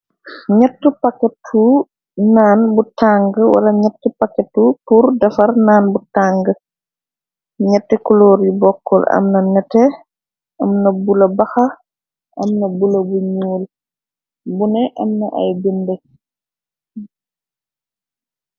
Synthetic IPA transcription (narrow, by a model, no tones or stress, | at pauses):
ɲɐtːupɐkːɛtʰːu | naːnbutaŋɡəwɐ̰lɐɲɛtːəpɐkɛtːupurdɐfɐrnaːnbutaŋɡə | ɲɛtːɛkɔlɔːɾjubɔkːɔlɐ̰mnɐnɛtɛ | ɐmnɐbulɐbɐxɐ | ʔɐmnɐbulɐbuɲuːl | bunɛʔɐmnɐʔɐ̰jbundɛ